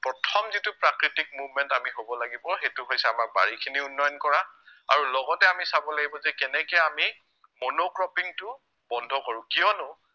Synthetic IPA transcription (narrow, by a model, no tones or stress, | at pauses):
pɹɔtʰɔmzitupɹakɹitik̚muvmɛntamiɦobɔlaɡibɔxetʊɦojsɛamak̚ba̰ɹikʰiniunːɔjɔnkɔɹaa̰ɹulɔɡɔtɛamisabɔlaɡibɔzɛkɛnɛkɛami | monokɹɔpiŋtʊ | bɔndʱɔkoɹʊ̃kijɔnʊ